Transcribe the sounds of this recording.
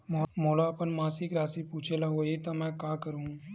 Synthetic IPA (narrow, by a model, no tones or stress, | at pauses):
mmoːlaɐpənmaːsɪkɾaːsipuːt͡ʃʰelɐɦoet̪ɐmɛ̃ːkaːkɐɾũː